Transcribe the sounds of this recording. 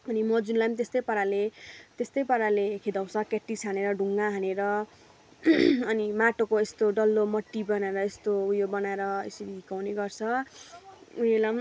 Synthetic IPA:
ʌnimʌd͡zunlajmt̪est̪ʌjpʌɾalet̪est̪ʌjpʌɾalekʰid̪aw̃t͡sʰʌkeʈːisaneɾʌɖʱuŋɡaɦaneɾʌ | ʌnimaʈokoest̪oɖʌlːomʌʈːibʌnaeɾʌest̪oujobʌnaeɾʌḛsʌɾiikawneɡʌrt͡sʰʌ | unelam

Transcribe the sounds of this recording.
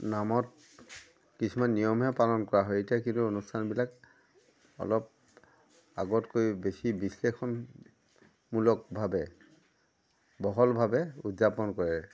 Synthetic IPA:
namɔt | kisʰumanːijɔmɦɛpalɔnkɔɹaɦɔjetijakintuonustʰanbilak | ɔ̰lɔp̚ | aɡɔtkojbesibislexʰɔn | mulɔk̚bʱabɛ | bɔɦɔlbʱabɛudzapɔnkɔɹɛ

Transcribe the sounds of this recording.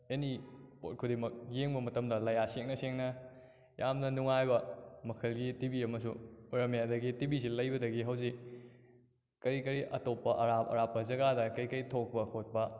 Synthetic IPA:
enipo̰t̚kʰudemɐk̚jeŋbɐmɐtɐmdɐlɐjaseŋnɐseŋnɐ | jamnɐnuŋajbɐmɐkʰɐlɡitibiɐmɐsṵɾɐmjadɐɡitibisilɐjbɐdɐɡiɦɐwzik̚ | kɐɾikɐɾiʔɐtopːɐʔɐɾapɐ̰ɾapːɐzɐɡadɐkɐjkɐjtʰok̚pɐkʰot̚pɐ

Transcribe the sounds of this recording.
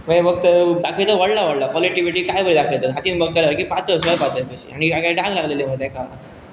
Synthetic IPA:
məebəɡ̚t̪əd̪akʰət̪əʋəɽlaʋəɽlapɔliʈiʋiʈiːkajbəɾid̪akʰəjt̪əɦat̪iːnbəɡ̚t̪əlaəɾkipat̪əsəpat̪əpəɕḭaɽ̃iaɡaɖãŋɡlaɡlelim̤əɡd̪ʱjeka

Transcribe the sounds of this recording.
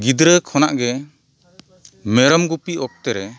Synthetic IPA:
ɡid̪ɾəkʰɔnaʔɡɛ | mɛɾɔmɡupiɔk̚t̪ɛɾɛ

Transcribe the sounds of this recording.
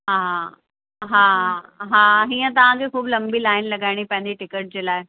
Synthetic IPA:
ɦãː | ɦãːɦãːɦiːə̃t̪̬ɐʋ̤ãkʰekʰuːblɐ̃mbilaːɪnlɐɡaːɪɽ̃ipɛ̃ɦɪ̃ndiʈɪkəʈ̚d͡ʑeːlaːe

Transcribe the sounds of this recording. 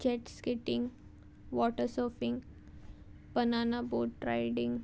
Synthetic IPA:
d͡ʑɛʈskɪʈĩŋɡ | ʋɔʈəɾsɔfiŋɡ | pənanaboʈɾajɖĩŋɡ

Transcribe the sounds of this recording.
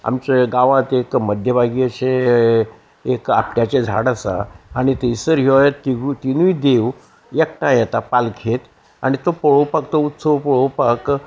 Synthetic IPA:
a̰mt͡ɕeɡãʋãt̪ekməd̪ʱjəbʱaɡiəɕẽ | eka̰p̚ʈjat͡ɕed͡zʱa̰ɽasa̰aɽ̃it̪eisəɾɦeʋjet̪ːiɡut̪inuid̪eʋ | jek̚ʈãjɛt̪apalkʰet̪ | a̰ɽ̃it̪opəɭopakt̪out̪səpɔɭowpak

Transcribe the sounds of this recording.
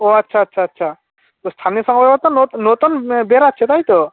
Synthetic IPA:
oɐtːʃʰaːtːʃʰaːtːʃʰa | t̪ost̪ʰanijəsɔŋɡɔɾɔt̪ɔnonot̪ɔnbeɾatːʃʰet̪aɦit̪o

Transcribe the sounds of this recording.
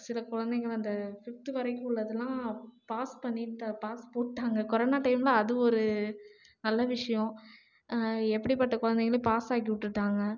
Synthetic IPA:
sɪlɐkʊɻɐnd̪ɛŋɡɐɭɐnd̪ɐfɪft̪iʋɐɾɐkːɯ̃ʊɭːɐðɐlãːpaːspɐɳːiʈːɐpaːspoːʈːaːŋɡɐkɔɾɐːnaːʈɐɪmlɐɐðɯɔɾɯ | nɐlːɐʋɪʂɐjɔ̃ | ɛpːɐɽipɐʈːɐkʊɻɐnd̪ɛŋɡɐɭɯpaːsaːkiʋɪʈːɯʈːaːŋɡɐ

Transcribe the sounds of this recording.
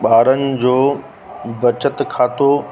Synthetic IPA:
ɓaːɾənɪ̆d͡ʑoː | bɐt͡ɕət̪kʰaːt̪o

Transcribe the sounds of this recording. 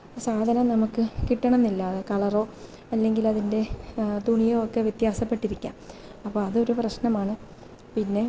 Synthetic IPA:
saːd̪ʱɐnɐmnɐmukːɨkiʈːɐɳɐmnːilːɐɨkɐɭɐro̞ː | ɐlːe̞ŋɡilɐðinde̞d̪ʱuɳijoːokːeʋjet̪jaːsɐpːe̞ʈːiɾikʲːa̰ːmɐpːoːɐðɨo̞ɾuprɐɕnɐmaːɳɨ | pinːe̞

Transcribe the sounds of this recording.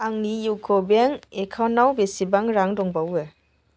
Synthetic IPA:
aŋnijukʰɔbeŋekʰawnːawbesibaŋɾaŋdɔŋbawɯ

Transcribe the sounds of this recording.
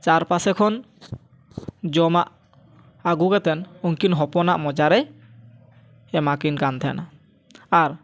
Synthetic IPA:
t͡ʃaɾpasɛkʰɔn | d͡ʒɔmaʔ | aɡuɡɛt̪ɛnuŋkinɦɔpɔnaʔmɔd͡ʒaɾɛ | ɛmakinɡant̪ʰɛja̰na | aɾ

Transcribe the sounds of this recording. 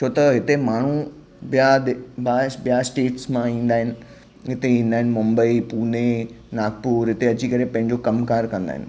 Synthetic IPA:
t͡ɕʰoːt̪ɐɦɪt̪emaːɳ̤u | bijaɗbabijasʈeːʈsmãĩːn̆d̪aːɦɪnɪ̆ | ɦɪt̪eĩːnd̪aːɦɪ̃nɪ̆mʊmbəipuːnenaːɡ̚puːɾɦɪt̪eɐt͡ɕikɐɾepɐ̃ɦɪ̃ɲ̆d͡ʑokɐmkaːɾkɐ̃nd̪a̰ɦɪ̰nɪ̆

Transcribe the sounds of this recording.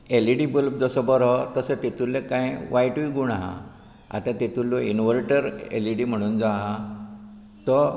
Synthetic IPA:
eliɖibulpd͡zəsɔbəɾɔt̪əsət̪et̪ulːekãjʋajʈuiɡuɳaɦa̰ | a̰t̪ãt̪et̪ulːɔinʋəɾʈəɾḛliɖim̤əɽ̃uːnd͡zaɦa | t̪ɔ

